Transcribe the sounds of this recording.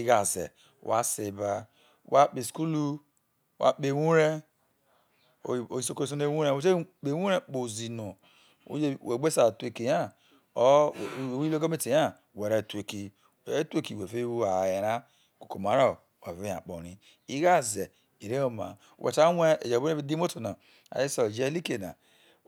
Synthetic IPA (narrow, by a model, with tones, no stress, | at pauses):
i˦ɡa˨zḛ˨ | wa̰˦se˨ba˦ | wa˦k͡pe˨sku˦lu˦ | wa̰˦k͡pe˨wu˦ɾe˦˨ | o˨i˨so˨ko˦s̬o˦ne˦˨wu˦ɾe˦we˦te˦k͡pe˨wʷu˦ɾe˦k͡po˨zi˨no˨ | o̰˦d͡ʒe˦we˨ɡ͡be˦sa˨te˨ki˨ja˦˨˦ | wlo˦ko˦me˦ti˨ja˦˨ | we˨ɾe˨tu˨e˨ki˨˦ | te˦ki˨we˨fe˦wu˦a˨je˨ɾa˦ | ko̥˨ko˨ma˨ɾo˦˨ | wa˨ve˦ja̰˨k͡po˨ɾi˦ | i˦ɣa˦˨ze˨ | i˨ɾe˦o˦ma̰˨wʔḛ˨ta˦we˦ḛ˨d͡ʒo˦e˦bi˦di˦mo˦to˨na˨ | a̰˨ji˦so˨d͡ʒe˦li˦ke˨na̰˨